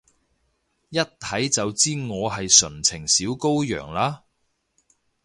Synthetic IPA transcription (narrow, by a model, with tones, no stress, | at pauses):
jɐ˥t̚t̪ʰɐ˨˥jt͡sɐ˨wt͡siː˥ŋɔː˨˧ɦɐ˨jsɵ˨˩nt͡sʰɪ˨˩ŋsiː˨˥wko˥wjœ̰ː˨˩ŋlaː˧˥